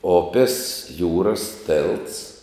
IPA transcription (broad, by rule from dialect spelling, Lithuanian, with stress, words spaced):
ˈoːpʲɪs ˈjuːrɐs ˈtʲeːlˠts